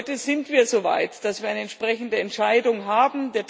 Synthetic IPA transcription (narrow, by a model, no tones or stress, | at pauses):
təz̥ɪntv̥iːɐzoːva̰ɪtd̥asv̥iːɐaɪəɛntʃpʁ̥ɛçn̩dəɛntʃaɪdʊŋɦaːbm̩deːɐt